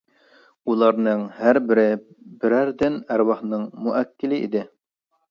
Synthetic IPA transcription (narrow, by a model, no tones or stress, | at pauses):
ulˠɑɾnɨŋhæɾbɪɾɪ | bɪɾæɾd̪ɪnæɾwɑχnɨŋmuʔækʲʰːɪlɪʔḭd̪ɪ